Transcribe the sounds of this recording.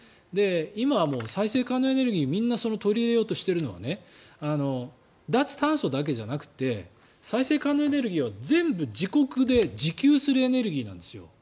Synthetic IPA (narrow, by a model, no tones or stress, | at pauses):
d̪e̞imamo̞ːsaise̞ːkaːnːoe̞ne̞ɾɯ̟ɡʲiːmʲĩnːaso̞no̞t̪o̞ɾʲiːɾe̞jo̞ːt̪o̞ɕi̥t̪e̞ɾɯno̞βa̰ne̞ano̞ | d̪at͡sɨ̥t̪ãɰ̃so̞d̪ak̬e̞ʑanakɯ̟̥t̪e̞ | saise̞ːkaːnːo̞e̞ne̞ɾɯ̟ɡʲiːβ̞azẽ̞mbɯ̟d͡ʑiko̞kɯ̟d̪e̞d͡ʑikʲɨːsɨɾɯe̞ne̞ɾɯ̟ɡʲiːnã̰nd̪e̞sɨjo̞̰